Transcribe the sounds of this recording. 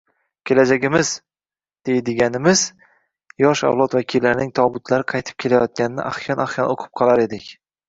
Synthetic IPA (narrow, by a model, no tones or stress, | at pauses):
kʲʰe̞lad͡ʒaɡʲɪmɪz | d̪̥e̞jd̪ɪɡʲanɪmɪz | jɒʃa̰vlˠɒt̪vakʲʰilːaɾnɪŋt̪ʰɒbʊt̪ʰlaɾɪqʰɑjt̪ʰɪ̥p̚kʲʰe̞lajɒt̪̚kʲanɪnɪ̰ʔa̰hjɒnaχjɒnoqʰɨ̥p̚qʰɒlˠaɾe̞d̪ɪkʲ